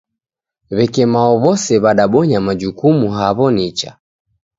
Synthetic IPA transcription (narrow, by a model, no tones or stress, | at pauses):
βɛkɛmaɔβɔsɛβaɗaɓɔɲamad͡ʒukumuɦaβɔnit͡ʃa̰